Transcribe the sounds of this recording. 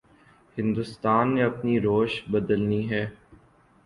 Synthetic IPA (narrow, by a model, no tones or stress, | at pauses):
hɪ̃nd̪ʊst̪aːnːeɐpniɾoːʃbɐd̪əlniɦɛː